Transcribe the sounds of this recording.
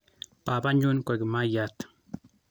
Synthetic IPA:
pa˨pa˦ɲu˦nkɔ˨ki˨ma˦ja˨t̪

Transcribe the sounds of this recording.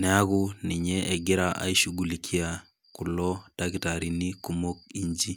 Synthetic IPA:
nɛ˨a˦ɡʊ˦nɪ˨ɲɛ˦ʔɛ˨ɡɪ˦ɾa˨ʔa̰˨i˦ʃu˨ɡu˨li˨kʰi˦a˨ | kʊ˨lɔ˦d̥aɡi˨ta˨ɾi˨ni˦ku˦mo˦k̚i˦ɲd͡ʒi˦

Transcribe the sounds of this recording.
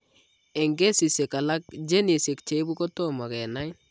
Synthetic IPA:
ɛ˨ŋɡɛ˦si˨se˨ka˨la˦k̚d͡ʒe˦ni˨se˨k̚t͡ʃe˨i˦bu˦kɔ˦tɔ˦ma˨kɛ˨na˦j

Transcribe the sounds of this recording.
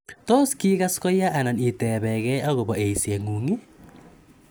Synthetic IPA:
to˦ski˦ɣa˦skɔ˦ja˦ʔa˨na˨ni˨tɛ˨βɛ˨ɣɛ˦a˦ɣo˨βɔ˨e˨i˨se˨ŋu˨ŋe˦

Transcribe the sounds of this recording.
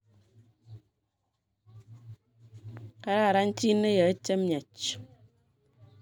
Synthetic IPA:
ka˦ɾa˦˨ɾa˦n̩˦ti˦ne˦ja˨e˦te˦m˦ɲa˨t͡ʃ

